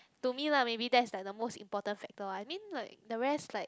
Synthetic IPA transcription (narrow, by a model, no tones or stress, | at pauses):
tumilamebidɛtslaɪk̚dəmostḭ̃mpɔtə̃nfɛk̚təajmĩnlaɪk̚dəɹɛstlaɪk̚